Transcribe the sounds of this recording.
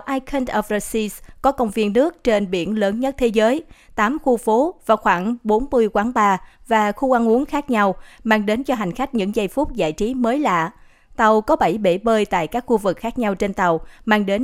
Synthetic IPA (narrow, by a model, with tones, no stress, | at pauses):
ʔaː˧jkʰə˧ntʔə˧˩və˧si˧skɔ˨˦kə˧wŋ͡mvi˧ənːɨ˦˥ək̚t͡ɕe˧nɓḭ˧˩ənləː˨˦nɲə˦˥t̚t̪ʰe˨˦zəː˨˦jt̪aː˨˦mxu˧fo˨˦vaː˨˩xwaː˧˩ŋɓo˨˦nmɨ˧əjkwaː˨˦ŋɓaː˧vaː˨˩xu˧ʔa˧nʔu˨˦əŋxaː˦˥k̚ɲa˧wmaː˧ŋɗe˨˦nt͡ɕɔ˧ɦa˨˩ŋ̟xa˦˥jk̟̚ɲɨ̰˧˥ŋzə˧jfʊ˦˥k͡p̚za̰ː˧˨jt͡ɕi˨˦məː˨˦jla̰ː˧˨ | t̪ə˨˩wkɔ˨˦ɓə˧˩jɓḛ˧˩ɓəː˧jt̪a̰ː˧˨jkaː˦˥k̚xu˧vɨ˨˩k̚xaː˦˥k̚ɲa˧wt͡ɕe˧nt̪ə˨˩wmaː˧ŋɗe˨˦n